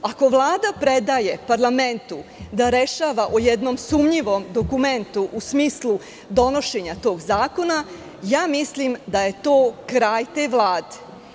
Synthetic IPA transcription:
ako̞ʋlˠaːd̪apɾe̞d̪aje̞paɾlˠame̞nt̪ud̪aɾe̞ʃaːʋaʔojed̪no̞msumɲiʋo̞md̪o̞kume̞nt̪uʔusmiːslˠu | d̪o̞no̞ʃe̞ɲat̪o̞ːɡzaːko̞na | jaːmislimd̪aje̞t̪o̞ːkɾaːjt̪eːʋlˠaːd̪e

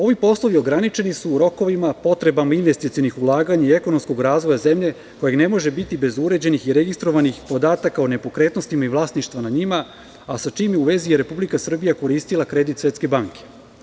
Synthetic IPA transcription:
o̞ʋipo̞slˠoʋio̞ɡɾanit͡ʃe̞nisuːɾo̞ko̞ʋimapo̞t̪ɾe̞bamainʋe̞st̪it̪sijo̞nixulˠaːɡaɲaie̞ko̞no̞msko̞ɡɾaːzʋo̞jaze̞mʎe̞ | ko̞jeɡne̞mo̞ʒe̞bit̪ibe̞zuɾe̞d͡ʑe̞nixiɾeɡist̪ɾo̞ʋanixpo̞d̪aːt̪akaone̞po̞kɾe̞ːt̪no̞st̪imaiʋlˠaːsniʃt̪ʋanaɲima | asat͡ʃiːmjeuʋe̞zijeɾe̞publikasr̩bijako̞ɾiːst̪ilˠakɾe̞d̪it̪sʋe̞t̪ske̞baŋke̞̥

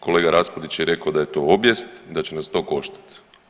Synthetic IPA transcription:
ko̞le̞ːɡaɾaspod̪it͡ɕjeɾe̞kaod̪aje̞t̪o̞objest̪d̪at͡ɕenast̪o̞ko̞ʃt̪ḁt̪

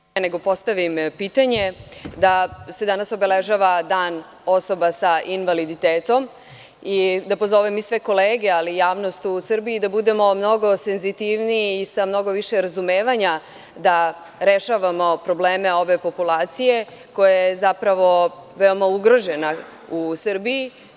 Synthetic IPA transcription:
peneɡo̞po̞st̪aʋimpiːt̪aɲe̞d̪ase̞d̪anaso̞be̞leʒaʋad̪aːn | o̞so̞basaʔinʋalid̪it̪eːt̪o̞m | id̪apo̞zo̞ʋemisʋe̞ko̞leːɡe̞alijaːʋno̞st̪usr̩biːd̪abud̪e̞mo̞mno̞ɡo̞senzit̪iʋniːsamno̞ɡo̞ʋiʃeɾazumeːʋaɲa | d̪a | ɾeʃaʋamo̞pɾo̞bleːme̞o̞ʋe̞po̞pulaːt̪sije̞ | ko̞jajjezapɾaʋo̞ʋeo̞mauɡɾo̞ʒena | usr̩bii

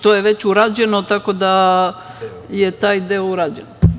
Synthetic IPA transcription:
t̪ojeʋet͡ɕuɾaːd͡ʑenot̪akod̪a | jet̪aːjd̪eouɾaːd͡ʑen

